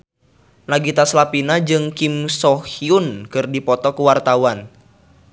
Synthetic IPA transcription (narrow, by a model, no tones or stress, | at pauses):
naɡit̪aslapinad͡ʒɨŋkimsɔhiunkɨrdipɔt̪ɔkuwart̪awan